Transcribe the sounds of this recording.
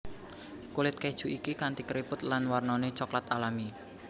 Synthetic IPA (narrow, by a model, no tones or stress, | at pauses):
kulɪt̪̚kɛd̥ʒ̥uʔikikant̪ikəɾipʊt̪lanwarnɔnet͡ʃɔklat̪alami